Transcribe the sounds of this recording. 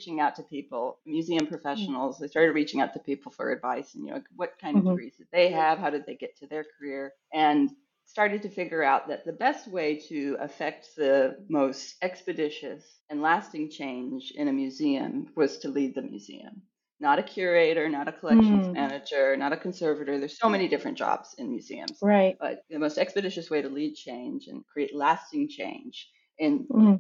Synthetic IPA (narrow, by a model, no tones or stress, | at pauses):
t͡ʃɪ̃ŋaʊtʰɨpʰipl̩ˠmjʉziɨ̃mpʰɹ̥ɨfɛʃn̩l̩ˠzðeɪstɑɹɾɨd̚ɹit͡ʃɪ̃ŋaʊtʰɨpipl̩ˠfə̰˞ɨ̰dvaɪsn̩jɨ̰la̰ɪkwʌt̚kʰãɪ̃ndʌvdɨɡɹizdɨd̪̚ðeɪəv̥ɦaʊɾɨd̪̚ðeɪɡɛtʰɨðə˞kʰə˞ɪɹ | ʔɨ̃n | stɑɹɾɨd̚tɨfɪɡjə˞aʊt̪̚ðɨt̪̚ðɨbɛst̚weɪɾɨə̰fɛk̚t̪̚ðɨmoʊstɛkspɨdɪʃɨs | ɨ̃nlæstɪ̃ŋt͡ʃʰẽɪ̃nd͡ʒɪ̰̃nɨmjʉziɨ̰̃mwʌz̥tʰɨlid̪̚ðɨmjʉ̰zḭɨ̰̃m | nəɾɨkʰj̥ʊɹeɪɾə˞nəɾɨkʰəlɛkʃn̩mænɨd͡ʒə˞nəɾɨkʰɨ̃n̩sɜ˞vɨɾə˞ðə˞z̥soʊmɛnidɪfɹɨ̃nd̥ɑ̰bz̥ɨ̃nmjʉ̰zḭɨ̰̃mz̥ɹaɪt̚b̥ʌ̰t̪̚ðɨmoʊstɛkspɨdɪʃɨsweɪɾəlid̚t͡ʃʰẽɪ̃nd͡ʒɨ̰̃nkʰɹ̥ieɪtˡlæstɪ̃ŋt͡ʃʰḛ̃ɪ̃nd͡ʒ | ɨ̃n